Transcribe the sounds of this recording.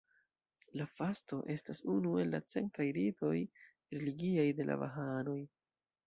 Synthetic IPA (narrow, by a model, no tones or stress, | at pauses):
lafasto̞ʔe̞stasunue̞lːa̰t͡se̞̰nkajɾitʰo̞j | ɾeliɡiajde̞lʔa̰va̰ɦano̞j